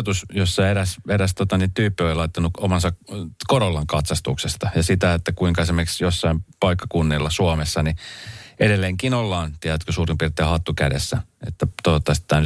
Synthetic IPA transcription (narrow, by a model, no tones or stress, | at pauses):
t̪usjosːɑieɾæseɾæst̪ot̪ɑnit̪yːpːiolilɑit̪ːɑnuomɑnsɑkkoɾolːɑŋkɑt̪sɑst̪uksest̪ɑjɑsit̪æet̪ːækuiŋkɑesimːeksjosːɑimpɑikːɑ̥kunːilːɑsuɑmesːɑniedelːeŋkinolːɑːnt̪iɛɾæt̪køsuːrimpirt̪eːhɑt̪ːukæ̰desːæet̪ːæt̪ot̪ːɑst̪ːˑæːny